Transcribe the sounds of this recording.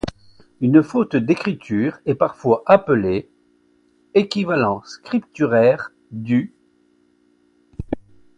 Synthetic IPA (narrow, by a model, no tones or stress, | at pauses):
ynfot̪d̪ekχit̪ʰyːʁɛpaʁfwaʔapəle | ekʲivalɑ̃skχip̚t̪yʁɛʁ | d̪y